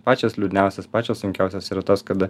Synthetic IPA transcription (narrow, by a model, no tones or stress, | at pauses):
pɑːt͡ʃʲoːslʲuːd̪ʲnʲæʊsʲɛspɑːt͡ʃʲoːssʊŋʲkʲæʊsʲoːsiːɾɐt̪oːskɐd̪